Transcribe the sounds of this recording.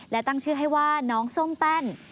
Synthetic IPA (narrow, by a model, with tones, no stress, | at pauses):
lɛː˦˥wt̪a˥˩ŋt͡ɕʰɯː˥˩ɦa˥˩jwaː˥˩nɔː˦˥ŋso˥˩ŋpɛ˥˩n